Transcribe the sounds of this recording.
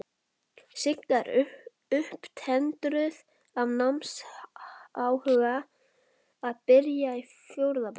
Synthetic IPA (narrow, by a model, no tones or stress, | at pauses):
sɪknaɾ | ʏhpt̪ʰɛnt̪ɾʏð | avnams | aːwhœɣa | aðpɪɾjai | fjowɾðap